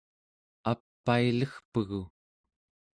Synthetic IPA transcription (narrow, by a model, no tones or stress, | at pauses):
apːailəxpəɣu